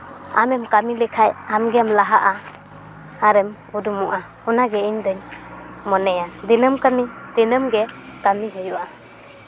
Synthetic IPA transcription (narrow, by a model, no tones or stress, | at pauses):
a̰mɛmkamilɛkʰajamɡɛamlaɦaʔa | haɾɛm | udumuʔa | unaɡɛiɲd̪əɲ | mɔnɛjad̪inəmkamid̪̥inəmɡɛkamiɦɔjuʔa